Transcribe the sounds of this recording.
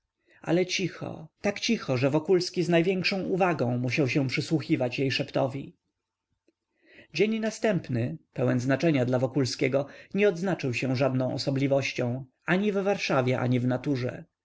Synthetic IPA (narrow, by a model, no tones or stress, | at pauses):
ʔa̰lɛt͡ɕixɔ̰t̪akt͡ɕixɔʐɛvɔkulskʲiznajvʲjɛŋkʂɔ̃w̃ʔuvaɡɔ̃w̃muɕawɕɛ̃w̃pʂɘswuxʲivat͡ɕjejʂɛpt̪ɔvʲi | d͡ʑeɲnast̪ɛmpnɘpɛwɛnznat͡ʂɛɲad̪lavɔkulskʲɛɡɔɲɛɔd̪znat͡ʂɘwɕɛ̃ʐad̪nɔ̃w̃ʔɔ̰sɔblʲivɔɕt͡ɕɔ̃w̃ | aɲivvaɾʂavʲjɛʔa̰ɲivnat̪uʐɛ̰